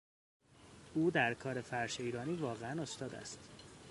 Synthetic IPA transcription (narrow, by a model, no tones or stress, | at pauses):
ʔuːd̪æɾkʰɒːɾe̞fæɾʃeiːɾɒːniːvɒːɣeæno̞st̪ɒːd̪æ̰st̪